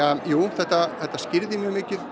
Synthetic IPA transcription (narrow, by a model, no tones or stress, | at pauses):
ajuːθɛht̪ːaθɛht̪ːascɪɾðɪmjœɣmɪːcɪð